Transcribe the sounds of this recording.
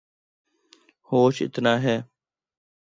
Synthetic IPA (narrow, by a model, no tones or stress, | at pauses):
hoːʃɪ̰t̪naːɦɛː